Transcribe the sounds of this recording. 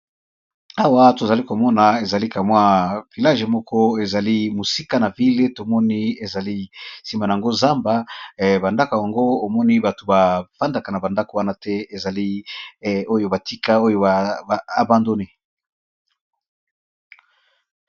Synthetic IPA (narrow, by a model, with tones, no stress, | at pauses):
a˦wa˦to˨za˨li˦ko˨mɔ˦na˨e˨za˨li˦ka˨mwa˦vi˨la˦ʒe˨mɔ˦kʰɔ˦e˨za˨li˦mo˨si˦ka˦na˨vi˦le˦to˨mɔ˦ni˦e˨za˨li˦si˨ma˨na˨a˨ŋɡo˦za˦mba˨ba˨nda˦ka˨ja˨ŋɡoː˦˨mɔ˦ni˦ba˨to˨ba˨fa˦nda˨ka˨na˨ba˨nda˦ko˨wa˦na˦tɛ˦e˨za˨li˦ | o˦jo˦ba˨ti˦ka˦o˦jo˦a˨a˨ba˦ndo˦ne˦˨